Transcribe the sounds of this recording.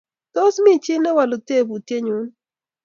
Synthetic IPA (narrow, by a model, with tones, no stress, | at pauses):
tɔ˦smi˦t͡ʃi˦nɛ˦wa˨lo˨te˦˨bu˨tje˦ɲu˨˦n